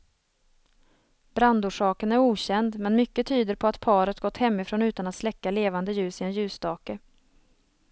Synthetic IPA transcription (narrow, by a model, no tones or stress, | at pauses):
b̥ɾand̪uːʂɑːkənæɾuːɕɛnd̪mɛnmʏkːət̪ʰyːd̪əɾpʰɔat̪pʰɑːɾət̪ɡɔt̪ːhɛmːɪfɾoːnʉ̟ːt̪anat̪slɛkːaleːvand̪əjʉ̟ːsɪɛnjʉ̟ːsd̪ɑːkə